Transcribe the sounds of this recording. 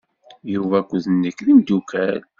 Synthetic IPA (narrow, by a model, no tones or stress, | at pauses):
juvækʷːðənːəkːlimd̪ukʰæl